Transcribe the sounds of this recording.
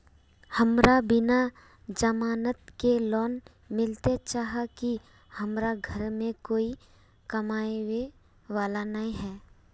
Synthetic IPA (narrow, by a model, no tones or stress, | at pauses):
həmɾabɪna | d͡ʒəmaːnət̪kelɔːn | mɪlt̪et͡ʃaːɦaki | həmɾaɡʱəɾmẽkoːi | kɐmaːewe | ʋaːlanəɦĩɦɛː